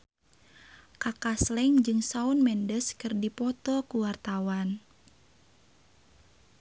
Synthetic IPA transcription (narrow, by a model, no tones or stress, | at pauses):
kakaslɛŋd͡ʒɨŋsaunmɛndəskɨrdipɔt̪ɔkuwart̪awan